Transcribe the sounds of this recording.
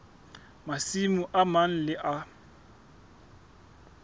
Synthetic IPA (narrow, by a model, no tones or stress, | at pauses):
masimuʔaman̩lɪʔa